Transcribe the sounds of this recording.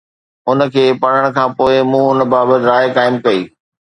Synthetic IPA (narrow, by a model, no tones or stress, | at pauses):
ʊnə̆kʰeːpɐɽ̤əɽ̃kʰãːpoːɪmũːʊnə̆baːbət̪ɾaːɪkaːɪmkɐḭː